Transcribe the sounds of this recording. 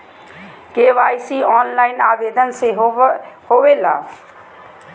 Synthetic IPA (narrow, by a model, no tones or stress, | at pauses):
keːʋaːjsiɔːnlaːɪnaːʋeːd̪ənse | hoːʋela̰ː